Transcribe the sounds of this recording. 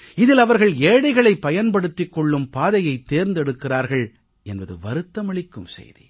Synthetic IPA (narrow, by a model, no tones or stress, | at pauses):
ɪðɪlɐʋɐɾɣɐɭeːɽɐɪɣɐɭɐɪpːɐjɐnpɐɽɯt̪ːɪkːɔɭːɯmpaːðɐjɐɪt̪ːeːɾnd̪ɛɽɯkːɪraːɾɣɐɭ | ɛnbɐðɯ̰ʋɐɾɯt̪ːɐmɐɭɪkːɯmsɛ̰jðḭ